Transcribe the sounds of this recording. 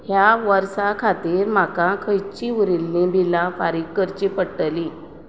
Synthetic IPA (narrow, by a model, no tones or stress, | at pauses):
hjaʋəɾsakʰat̪iːɾm̤akãkʰəjt͡ɕiuɾilːĩbʱilãfaɾikkːəɾt͡ɕipəɽʈlĩ